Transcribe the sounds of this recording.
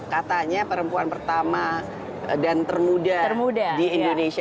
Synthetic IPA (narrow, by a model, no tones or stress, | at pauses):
kat̪aɲapəɾəmpuanpərt̪ama | dant̪ərmudaəmudadiindonesi